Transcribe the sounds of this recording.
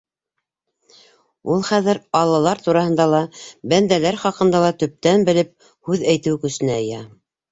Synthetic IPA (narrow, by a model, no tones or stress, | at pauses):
ulˠχæðɘɾɑlˠɑlˠɑɾt̪uɾɑhɤ̆nd̪ɑlˠɑbænd̪ælæɾχɑqɤ̆nd̪ɑlˠɑt̪ɵ̆p̚t̪ænbɘ̆lɘp̚ | hʉðæjt̪ɘwkɵ̆sɘ̆næ̆ːjæ